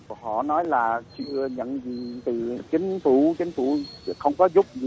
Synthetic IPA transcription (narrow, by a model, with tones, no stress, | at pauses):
ɦɔ̰˧˨nɔ˨˦jlaː˨˩t͡ɕɨ̰˧˨əɲə̰˧˨nzi˨˩˨t̪ɨ˨˩t͡ɕï˨˦ŋ̟fu˧˩t͡ɕï˨˦ŋ̟fṵ˧˩˨xə˧wŋ͡mkɔ˨˦zʊ˦˥p̚zi˨˩